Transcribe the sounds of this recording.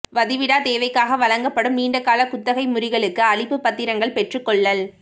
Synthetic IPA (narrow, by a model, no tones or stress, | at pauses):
ʋɐðɪʋɪɽaːt̪eːʋɐɪkːaːɣɐʋɐlɐŋɡɐpːɐɽɯmːiːɳɖɐkːaːlɐkʊt̪ːɐɣɐɪmʊrɪɣɐɭɯkːɯɐɭɪpːɯpːɐt̪ːɪɾɐŋɡɐɭpɛʈrɯkːɔɭːɐl